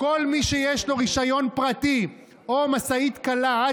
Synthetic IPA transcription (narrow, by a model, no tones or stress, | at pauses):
ko̞lmiʃejeʃlo̞ʁiʃajo̞npʁat̪i | omasait̪kala